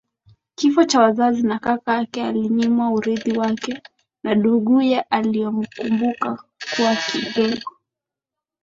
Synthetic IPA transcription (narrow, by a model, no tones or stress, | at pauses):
kifɔt͡ʃawazazinakakaakɛaliɲimwauɾiðiwakɛ | naɗuɡujaʔalijɔm̩kumbukakuwakiɗɛɠɔ